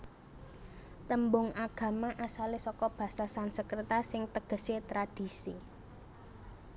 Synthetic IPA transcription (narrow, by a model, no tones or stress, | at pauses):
t̪əmbʊŋʔaɡ̥ä̤maʔasalesɔkɔb̥ä̤sasansəkɾət̪asɪŋt̪əɡ̥ə̤set̪ɾad̥i̤si